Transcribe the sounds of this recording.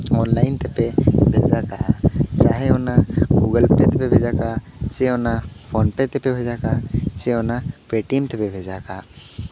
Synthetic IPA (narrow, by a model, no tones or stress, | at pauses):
ɔnlajnt̪ɛpɛbʱɛzakajat͡ʃaɦɛɔnaɡuɡəlpɾɛt̪ɛpɛbʱɛd͡ʒakat͡ʃɛɔnapʰɔnpɛt̪ɛpɛbʱɛd͡ʒakat͡ʃɛɔnapɾɛʈimt̪ɛpɛbʱɛd͡ʒaka